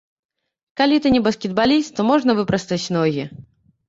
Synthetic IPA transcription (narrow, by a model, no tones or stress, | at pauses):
kalʲit̪ɨnʲɛbɐskʲɛd̪̚balʲist̪t̪ɔmɔʐnɐvɨpɾɐst̪ɐt͡sʲnɔɣʲi